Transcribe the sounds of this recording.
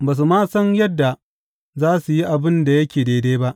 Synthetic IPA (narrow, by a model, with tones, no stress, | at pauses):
baː˨s̬u˨maː˦sɐ˦njɐ˦dːa˨ | zaː˦su˨ji˦ʔa˨bɪ˦nda˨jɐ˦kʲeː˨deː˨deː˦ba˦ʔ